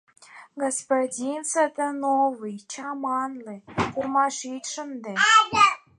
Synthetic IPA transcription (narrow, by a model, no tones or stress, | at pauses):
ɡospodʲint͡sət̪ənovɨjt͡ɕɑmɑnlɨkurmɑʃit̪ʲʃə̆nd̪e